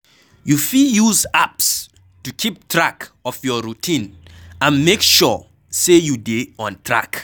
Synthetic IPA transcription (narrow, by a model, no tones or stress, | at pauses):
jufijuzaps | tukʰip̚tʰɹakɔfjɔɹutʰĩnãnmekʃɔ | sejudeɔ̃ntʰɹa̰k